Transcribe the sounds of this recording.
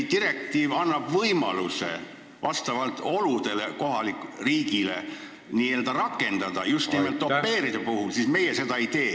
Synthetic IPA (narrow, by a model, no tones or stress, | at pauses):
t̪iɾe̞k̚t̪iːvɑnːɑb̥vɤjmɑluse̞̰ | vɑst̪ɑvɑlt̪ˑo̞lud̪̥e̞le̞ko̞ɦɑlikriːɡ̥ile̞̰ | niːe̞ːld̪ɑɾɑkːˑe̞nd̪̥ɑd̪̥ɑjust̪niimelt̪ːopːe̞ːɾid̪̥ɑpuhulsisme̞jese̞d̪ɑeijt̪e̞ː